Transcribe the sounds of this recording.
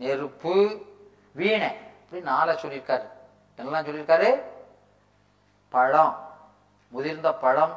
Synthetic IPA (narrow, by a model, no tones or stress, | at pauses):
nɛɾɯpːɯ | ʋiːɳɛɐpːɐɽinnaːlat͡ʃɔlːɪɾɯkːaːɾɯ | ɛnːɐlːãːt͡ʃɔlːɪɾɯkːaːɾɯ | pɐɻɐ̃m | mʊðɪɾnd̪ɐpɐɻɐ̃m